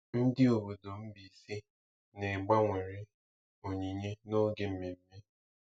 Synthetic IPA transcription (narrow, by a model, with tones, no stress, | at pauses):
n̩˦dɪ˦o˨bo˨do˨m̩˦bi˨si˦ | ne˨ɡ͡ba˦ŋʷe˨ɾɪ˦ | o˨ɲi˨ɲe˦no˦ɡe˨m̩˦me˨m̩˦me˦